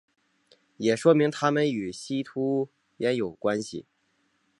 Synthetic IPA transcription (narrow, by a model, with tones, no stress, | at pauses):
jɛ˨˩ʂwɔ˥mi˧˥ŋt̪ʰa˥mə˨ny˨˩ɕi˥t̪ʰu˥ | jɛ˧˥njo˨˩ʊkwa˥nɕḭ˨˩